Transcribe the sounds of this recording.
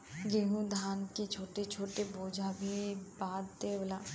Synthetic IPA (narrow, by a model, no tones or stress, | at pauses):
ɡeɦũd̪ʱaːnket͡ʃʰoːʈet͡ʃʰoːʈeboːd͡ʒʱabʱibaːd̪t̪eʋəla